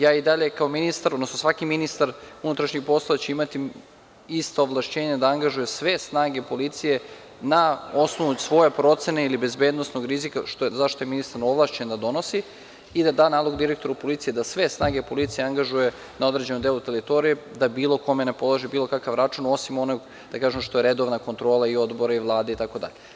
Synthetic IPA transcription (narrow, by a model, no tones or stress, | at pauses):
jaːid̪aʎekaominist̪aɾod̪nosnosʋakiminist̪aɾunut̪ɾaʃɲixpo̞slˠaat͡ɕeimat̪i | ist̪ooʋlˠaʃt͡ɕe̞ːɲad̪aaŋɡaʒujesʋe̞snaːɡe̞po̞lit̪sije̞ | naosnoʋusʋo̞jepɾo̞t̪se̞neilibe̞zbe̞ːd̪no̞sno̞ɡɾizikaʃt̪ozaʃt̪o̞je̞minist̪aɾo̞ʋlˠaʃt͡ʃend̪ad̪o̞nosi | id̪ad̪aːnaːlˠo̞ɡd̪iɾek̚t̪o̞ɾaupo̞lit̪sijed̪asʋe̞snaːɡepo̞lit̪sijeaŋɡaʒuje̞ | nao̞d̪ɾe̞d͡ʑe̞nomd̪elut̪e̞lit̪o̞ɾije̞d̪abiːlˠoko̞me̞ne̞po̞lˠaʒibiːlo̞kakaʋɾat͡ʃuno̞simo̞noɡ | d̪̥akaːʒemʃt̪oe̞ɾe̞d̪o̞ʋnako̞nt̪ɾo̞ːlˠaiod̪bo̞ɾaiʋlˠaːd̪eit̪ako̞d̪a̰ʎe